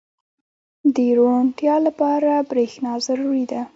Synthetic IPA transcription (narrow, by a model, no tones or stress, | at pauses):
d̪əɾoɳʈjɑlapɑɾabɾexnɑzaɾuɾid̪a